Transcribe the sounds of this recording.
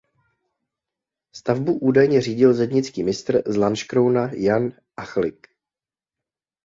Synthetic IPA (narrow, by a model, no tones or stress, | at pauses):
st̪avbuʔuːdajɲɛr̝iːɟɪlzɛdɲɪt͡skiːmɪst̪r̩zlanʃkɾownajan | ʔaxlɪk